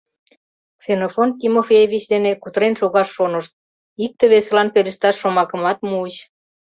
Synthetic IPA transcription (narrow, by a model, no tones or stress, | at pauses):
ksenofonkimofʲejevit͡ɕd̪enekut̪əɾenʃoɣɑʃːonəʃt̪̚ | ik̚t̪eβeselɑnpeɾĕʃt̪ɑʃːomɑkə̆mɑt̪muət͡ɕ